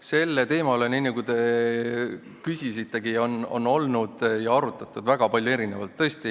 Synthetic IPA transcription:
se̞lːe̞t̪e̞ːmɑle̞niːnɑɡud̪e̞ | kysʲisit̪ːˑe̞ɡio̞nːo̞̰nːo̞lnud̪̥jɑɑɾut̪ːˑɑt̪ːˑud̪̥væɡ̥ɑpɑlʲjue̞ɾinevɑlt̪ːɤ̞esʲt̪i

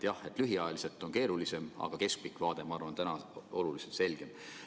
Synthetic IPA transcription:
t̪jɑhe̞t̪ːˑlyɦiɑjɑlise̞lt̪ːˑo̞nke̞ːɾulise̞mɑ̰ɡ̥ɑke̞sk̚pikˑvɑːd̪̥e̞mɑɑrvɑnt̪ænɑo̞luliselt̪se̞lʲɡ̥e̞m

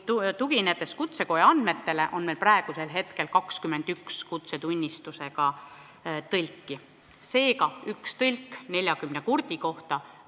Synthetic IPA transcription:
t̪uɡ̥inet̪ːˑe̞skut̪se̞ko̞jeɑnd̪̥me̞t̪ːe̞le̞ʔo̞nmejlprɾɑeɡ̥use̞lɦe̞t̪ke̞lkɑkskyme̞nd̪̥ykskut̪se̞t̪unʲːist̪use̞ɡɑ | t̪ɤlʲkːˑi | se̞ːkɑykst̪ɤlʲkːne̞lʲjɑkymne̞kurd̪̥iko̞ht̪ɑ

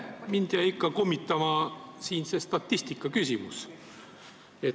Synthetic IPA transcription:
mind̪iɑikːɑkomːit̪ːˑɑmɑsiːnse̞st̪ɑt̪ʲːist̪ikːˑɑkysʲimṵs | e

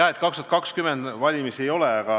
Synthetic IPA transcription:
æet̪kɑkst̪uɑt̪kɑkskymend̪̥vɑlʲimisejo̞lɛɑɡ̥ɑ

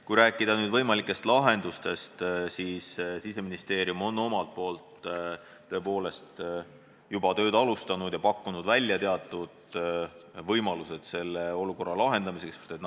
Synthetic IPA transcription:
kujɾæːkːˑid̪̥ɑnyːd̪vɤjmɑlikːˑe̞st̪lɑɦe̞nd̪̥ust̪e̞st̪siːssise̞minist̪e̞ːɾiumo̞nːo̞mɑlt̪̚po̞ːlt̪ː | ø̞e̞po̞ːle̞st̪ | jubɑt̪ø̞ːd̪̥ɑlust̪ɑnud̪̥jɑpɑkːunud̪vælʲːjɑt̪e̞ɑt̪ːˑud̪̥ | vɤjmɑluse̞d̪̥se̞lːeo̞luko̞rːɑlɑɦe̞nd̪̥ɑmisekst̪et̪n

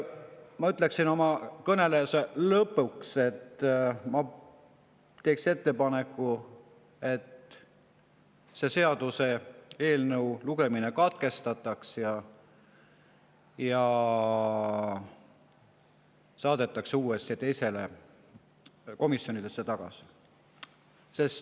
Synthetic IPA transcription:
mɑyt̪ːˑle̞ksino̞mɑkɤne̞leɑselɤpːˑukse̞t̪ːmɑ | t̪e̞ːksine̞t̪ːe̞pɑne̞kːˑu | e̞t̪ | se̞se̞ɑd̪̥use̞e̞ːlnɤwluɡ̥e̞mine̞kɑt̪ke̞st̪ɑt̪ːˑɑksjɑ | jɑ | sɑːd̪e̞t̪ːˑɑksuːe̞st̪it̪e̞jse̞le̞ | ko̞misjo̞nid̪esːet̪ɑɡ̥ɑ̰si̥ | se̞st̪

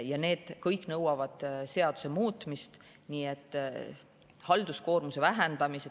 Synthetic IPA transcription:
jɑne̞ːd̪̥kɤjkːˑnɤwɑvɑd̪̥se̞ɑd̪̥u̥se̞muːt̪ːˑmist̪ | niːet̪ːˑ | hɑld̪̥usko̞ːrmuse̞væɦend̪ɑmise

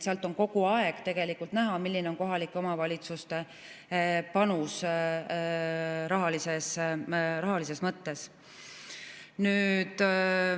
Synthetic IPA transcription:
seɑlt̪ːˑo̞ŋko̞ɡ̥uɑeɡ̥t̪e̞ɡ̥e̞likːˑult̪næɦɑmilːineo̞nko̞ɦɑlikːˑeo̞mɑvɑlʲit̪sust̪e̞ | pɑnus | ɾɑɦɑlisesrɑɦɑlis̬e̞smɤt̪ːe̞s | nyːd̪̥

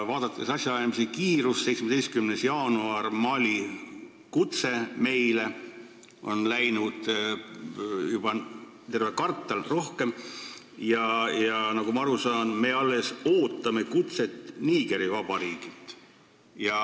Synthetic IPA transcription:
vɑːd̪ɑt̪ːˑesɑsʲjɑɑjmisikiːɾusːejt̪smed̪̥est̪kymnesjɑːnuɑrmɑlʲi | kut̪se̞me̞jle | ʔo̞nlæjnud̪̥ | jub̥ɑ | t̪e̞rvekɑrt̪ːˑɑlro̞hke̞m | jɑjɑnɑɡumɑɑɾusɑːnme̞ɑlːe̞so̞ːt̪ːˑɑme̞kut̪se̞t̪ːˑniːɡe̞ɾivɑb̥ɑɾiːɡ̥it̪ːˑ | jɑ

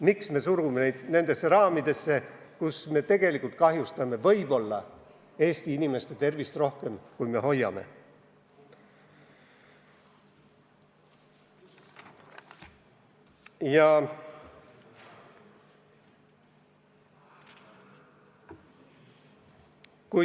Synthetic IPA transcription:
miksme̞ːsuɾumenejd̪ne̞nd̪̥e̞sːe̞ɾɑːmid̪̥e̞sːe̞ | kusme̞ːt̪e̞ɡe̞likˑult̪̚kɑɦjust̪ɑme̞vɤjbo̞lːɑ | e̞ːst̪iinimest̪et̪e̞rvist̪ro̞hke̞mkujme̞ho̞jːɑ̰me̞̰ | jɑ | ku

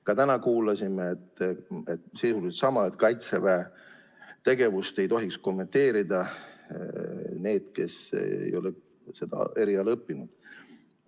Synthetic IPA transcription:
kɑt̪ænɑkuːlɑsimeːt̪ːet̪sisulid̪̥sɑmɑet̪kɑjt̪sevæe | t̪e̞ɡ̥e̞vust̪e̞jt̪o̞ɦiksko̞mːe̞nt̪e̞ːɾid̪ɑ | ne̞ːd̪̥ke̞sḛjo̞le | se̞d̪̥ɑ̰e̞ɾiɑlɤpːinud̪̥

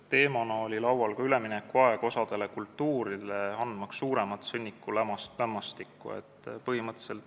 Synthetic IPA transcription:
t̪e̞ːmɑnɑo̞lʲilɑwwɑlkɑyle̞minekːˑuɑe̞ɡ̥o̞sɑd̪̥e̞lekult̪ːuːɾileɑnd̪mɑksːuːɾe̞mɑt̪ːsɤnʲːikːulæmslæmːɑst̪ikːṵḛt̪ːˑpɤhimɤt̪ːˑe̥se̞lt̪

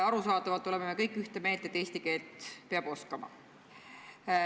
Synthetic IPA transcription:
ɑɾusɑːd̪ˑɑvɑlt̪ːˑo̞le̞me̞me̞kɤjkːˑyht̪emeːlt̪e̞t̪ːˑeːst̪ike̞ːlt̪peɑb̥o̞skɑmɑ̰

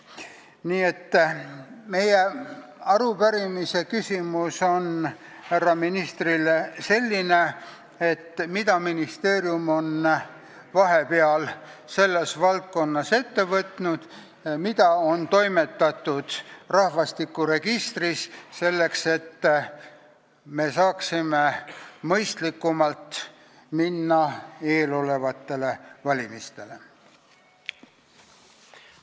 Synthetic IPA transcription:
niːe̞t̪ː | me̞jeɑɾupæɾimise̞kysʲimuso̞n | hærːɑminist̪rilese̞lʲːine̞ | et̪ːmid̪ɑminist̪e̞ːɾjumo̞n | vɑɦe̞peɑl | se̞lːe̞svɑlt̪̚ko̞nːɑse̞t̪ːe̞vɤt̪nud̪̥ | mit̪ɑo̞nt̪o̞jme̞t̪ːˑɑt̪ːˑud̪̥rɑhvɑst̪ikːˑuɾe̞ɡ̥ist̪risse̞lːe̞kse̞t̪ː | me̞sɑːksime̞mɤjst̪likːumɑlt̪ | minːɑe̞ːlo̞le̞vɑt̪ːe̞le̞vɑlʲimist̪e̞le̞

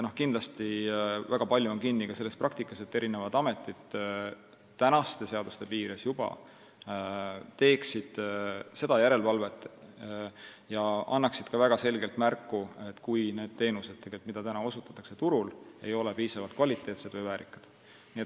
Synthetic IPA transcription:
no̞hkind̪lɑst̪ivæɡ̥ɑpɑlʲjuonkinːikɑse̞lːe̞sprʔɑkt̪ikːˑɑse̞t̪ːe̞ɾʔinevɑd̪ɑme̞t̪ːˑid̪̥ | t̪ænɑst̪e̞se̞ɑd̪̥ust̪e̞piːɾesjubɑ̰ | t̪e̞ːksid̪̥se̞d̪ɑjæɾe̞lvɑlve̞t̪ːˑ | jɑɑ̰nːɑksid̪̥̚kɑvæɡ̥ɑse̞lɡe̞lt̪mærkːue̞t̪ːkujne̞ːd̪̥̚t̪e̞ːnuse̥t̪e̞ɡ̥elʲt̪mid̪ɑt̪ænɑo̞sut̪ːˑɑ̥t̪ːˑɑkse̞t̪uɾule̞̰jo̞lepiːsɑvɑlt̪kvɑlʲit̪ːˑe̞ːt̪se̞d̪̥vɨjvæːɾikːˑɑ̥d̪̥ | niːet̪

